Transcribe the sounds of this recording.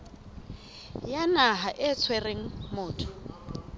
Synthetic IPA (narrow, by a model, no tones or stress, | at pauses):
janaɦaʔɪt͡sʰwɛreŋ̩mʊːtʰʼɔ̥